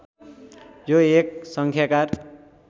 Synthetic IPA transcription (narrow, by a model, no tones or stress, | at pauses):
joek̚sʌŋkʰjakar